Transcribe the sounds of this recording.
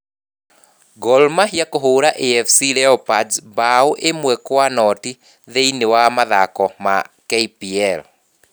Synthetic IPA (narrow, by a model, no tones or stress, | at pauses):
ɡɔlmaɦiakoɦoːɾaʔeɛfsiɾɛɔpad͡zbaoʔemwɛkwanɔti | ðeinewamaðakɔma̰kɛipiɛl